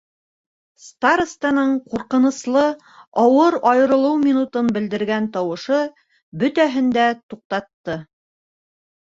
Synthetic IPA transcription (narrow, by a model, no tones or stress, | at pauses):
st̪aɾst̪ɑnɤɴquɾqɤ̆nɤ̆slˠɤ | ɑwɤɾɑjɤ̆ɾɤ̆lˠɤwmʲinut̪ɤnbɘ̆ld̪ɘ̆ɾɡænt̪ɑwɤ̆ʃɤ | bɵ̆t̪æɦɘ̆nd̪æt̪uq̚t̪ɑt̪ːɤ